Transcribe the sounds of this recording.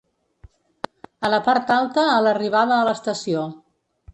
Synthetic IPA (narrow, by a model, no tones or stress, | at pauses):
ələpaɾt̪alˠt̪əːləriβ̞aðəːləst̪əsio